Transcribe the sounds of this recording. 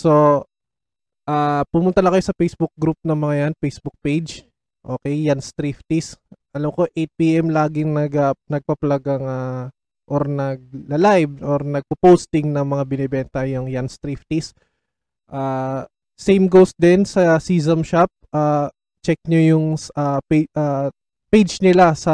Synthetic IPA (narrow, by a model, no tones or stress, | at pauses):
so | ʔaːpʊmʊnt̪ɐlɐkɐjo̞sɐfejsbʊk̚ɡɾup̚nɐŋmɐŋajanpejsbʊk̚pejd͡ʒ | ʔo̞ːkɛjːanst̪ɾift̪ɪsʔɐlamko̞ʔejt̪̚piʔɛmlaːɡɪŋnɐɡɐnɐɡ̚pɐplɐɡɐŋa | ʔoɾnɐɡ̚lɐlajvʔoɾnɐɡ̚pɐpowst̪ɪŋnɐŋmɐŋabɪnɛbɛnt̪ɐjʊŋjanst̪ɾift̪ɪs | ʔaː | sɛjmɡowst̪̚d̪ɛnsɐsiːzɐmʃap̚ʔaː | t͡ʃɛk̚ɲojʊŋʔapʔa | pejd͡ʒnɪlasɐ